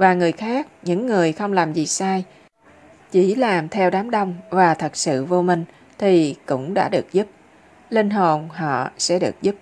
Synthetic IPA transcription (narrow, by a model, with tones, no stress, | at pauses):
vaː˨˩ŋɨ˨˩əjxaː˦˥k̚ɲɨ̰˧˥ŋːɨ˨˩əjxə˧wŋ͡mlaː˨˩mzi˨˩saː˧j | t͡ɕi˧˩laː˨˩mt̪ʰɛ˧wɗaː˨˦mɗə˧wŋ͡mvaː˨˩t̪ʰə˨˩k̚sɨ̰˧˨vo˧mï˨˩ŋ̟ | t̪ʰi˨˩kʊ̰˧˥ŋ͡mɗa̰ː˧˥ɗɨ˨˩ək̚zu˦˥p̚ | li˧nɦo˨˩nɦɔ̰˧˨sɛ̰˧˥ɗɨ˨˩ək̚zu˦˥p̚